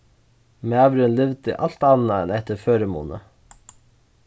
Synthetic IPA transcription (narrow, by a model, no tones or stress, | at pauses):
meɑʋɾʉnlʏʋd̪ə̰ʔɑlt̪ɑnɑɛnɛt̪əɾføːɾəmṵːnə̰